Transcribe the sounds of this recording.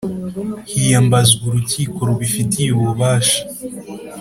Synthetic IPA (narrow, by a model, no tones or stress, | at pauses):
hijambazɡuɾuciːko̞ɾuβifitijuβuβaːʃḁ